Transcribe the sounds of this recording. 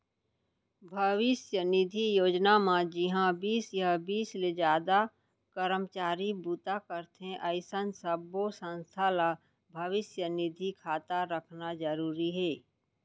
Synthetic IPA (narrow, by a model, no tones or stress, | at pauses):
bʱəʋɪsjənɪd̪ʱijoːd͡ʒnamãd͡ʒɪɦãbiːsjabiːsled͡ʒaːd̪a | kəɾəmt͡ʃaːɾibuːt̪akəɾt̪ɦẽʔəɪsənsəbosə̃nst̪ʰala | bʱəʋɪsjənɪd̪ʱikʰaːt̪aɾəkʰnad͡ʒəɾuːɾiɦɛː